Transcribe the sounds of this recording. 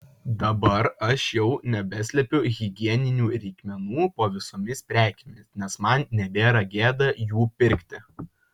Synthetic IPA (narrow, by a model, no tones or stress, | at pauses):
d̪ɐbɐɾɐʃjɛʊnʲɛbʲɛsʲlʲɛpʲʊɣʲɪɡʲiɛnʲɪnʲuːɾʲɛɪkʲmʲɛnuːpoːʋʲɪsoːmʲɪspʲɾʲæːkʲemʲɪsnʲɛsmɐnnʲɛbʲeːɾɐɡʲeːd̪ɐjuːpʲɪɾʲkʲt̪ʲɪ